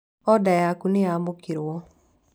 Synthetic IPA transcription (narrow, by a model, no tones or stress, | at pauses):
ɔdajakuneamokeɾwɔ